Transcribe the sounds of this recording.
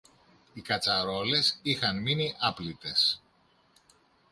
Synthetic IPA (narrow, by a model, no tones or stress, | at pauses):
ikɐt͡sɐɾo̞le̞sixɐnminiʔɐplit̪e̞s